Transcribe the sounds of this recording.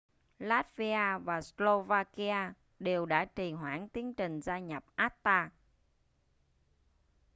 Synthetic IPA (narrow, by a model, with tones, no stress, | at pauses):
laː˦˥t̚vi˧aː˧vaː˨˩slo˧vaː˧ki˧aː˧ | ɗe˨˩wɗa̰ː˧˥t͡ɕi˨˩ɦwa̰ː˧˩ŋt̪i˨˦ənt͡ɕï˨˩ŋ̟zaː˧ɲa˨˩p̚ʔaː˦˥t̚t̪aː˧